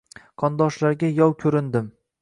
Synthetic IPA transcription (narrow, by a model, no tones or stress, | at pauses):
qʰɒnd̪ɒʃlaɾɡʲajɒwkʲʰɵɾɪnd̪ɪm